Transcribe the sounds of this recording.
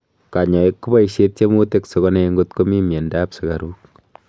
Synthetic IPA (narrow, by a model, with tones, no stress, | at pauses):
ka˨ɲɔ˨e˦kːu˦ba˦iʃet̚t͡ʃe˦mo˦te˦ksɔ˨kɔneŋɡo˦tko˦mi˦mje˨ndaːpsɪ˨ka˨ɾuː˦k̚